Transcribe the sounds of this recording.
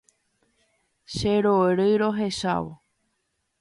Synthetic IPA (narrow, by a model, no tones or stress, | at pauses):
ʃeɾoɾɨɾoɦe̞ʃa̰ʋo̰